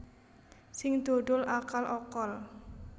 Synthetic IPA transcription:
sɪŋd̪̥o̤ɖʊlakalʔɔkɔl

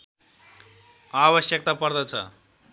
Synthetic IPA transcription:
abʌsjʌk̚t̪apʌrd̪ʌt͡sʰʌ̰

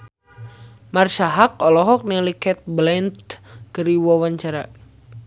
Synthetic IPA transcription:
marsaɦak̚ɔlɔɦɔk̚nilikɛt̪̚blɛnt̪kəɾiwawaɲt͡ʃaɾa

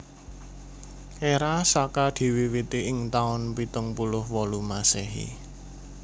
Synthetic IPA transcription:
ʔeɾasakad̪̥i̤wiwit̪iʔɪŋt̪aʊnpit̪əŋpulʊhwɔlumaseɦḭ

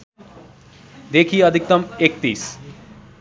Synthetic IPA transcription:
d̪ekʰiʌd̪ʱik̚t̪ɐmek̚t̪ḭːs

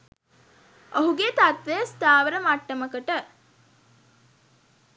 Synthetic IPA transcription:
əɦuɡet̪at̪ʋejəst̪aːʋəɾəmaʈːəməkəʈə

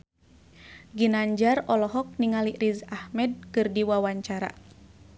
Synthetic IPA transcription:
ɡinaɲd͡ʒarɔlɔɦɔk̚niŋaliʔɾizahmɛd̚kɨrdiwawaɲt͡ʃaɾa̰

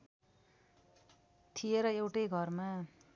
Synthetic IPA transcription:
t̪ʰijeɾʌewʈʌjɡʱʌrma

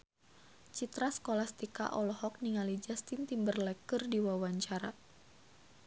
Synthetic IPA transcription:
t͡ʃit̪ɾasə̥kolast̪ika̰ʔɔlɔhɔk̚niŋalid͡ʒast̪int̪imbərlɛkɨrdiwawaɲt͡ʃaɾa

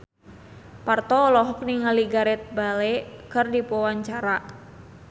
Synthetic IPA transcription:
part̪ɔːlɔɦɔk̚niŋaliɡaɾɛt̪̚balɛkɨrdipɔwaɲt͡ʃaɾa

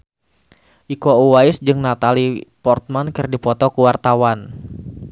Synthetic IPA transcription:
ʔikouwaɪsd͡ʒɨŋnat̪alipɔrt̪̚mankɨrdipɔt̪ɔkuwart̪awan

